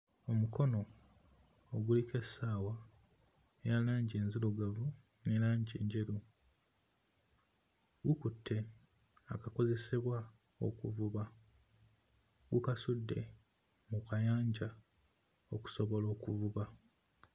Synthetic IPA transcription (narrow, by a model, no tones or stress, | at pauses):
o̞muko̞no̞ː | ɡulike̞saːwa | ejalaːɲɟe̞ːnziluɡavu | ne̞ɾaːɲɟeːɲɟe̞ɾu | ɡukutʰːe̞ | akako̞ze̞se̞βwa | o̰kuvuβa | ɡukasudːe̞̰ | mukajaːɲɟa | oku̥so̞βo̞lo̞ːkuvuβa